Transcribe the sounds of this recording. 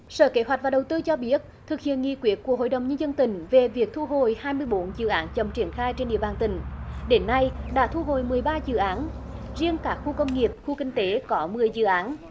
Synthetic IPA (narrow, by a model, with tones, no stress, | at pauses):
sə̰ː˧˩ke˨˦ɦwa˨˩k̚vːɗə˨˩wt̪ɨ˧t͡ɕɔ˧ɓi˦˥ət̚t̪ʰɨ˨˩k̚hḭ˧˨ənŋḭ˧˨˩kwi˨˦ət̚ku˧˩ə˩ɦo̰˧˨jɗə˨˩wŋ͡mɲə˧nzə˧nt̪ï˧˩ŋ̟ve˨˩vi˨˩ək̚t̪ʰu˧ɦo˧˨˩jhaː˧jmɨ˧əjɓo˨˦nzɨ̰˧˨ʔaː˨˦nt͡ɕə˨˩mt͡ɕi˧˩ənxaː˧jt͡ɕe˧nɗḭ˧˨əɓaː˨˩nt̪ï˧˩ŋ̟ɗe˨˦nːa˧jɗa̰ː˧˥t̪ʰu˧ɦo̰˧˨jmɨ˨˩əjɓaː˧zɨ̰˧˨ʔaː˨˦n | zi˧ənkaː˦˥k̚xu˧kə˧wŋ͡mŋi˨˩əp̚xu˧kï˧ŋ̟t̪e˨˦kɔ˨˦mɨ˨˩əjzɨ̰˧˨ʔaː˨˦n